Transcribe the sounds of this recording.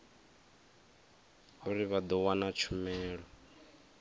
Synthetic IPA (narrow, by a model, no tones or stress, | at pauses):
ɦuɾiβad̪ɔwanat͡ʃʰumɛːɺɔ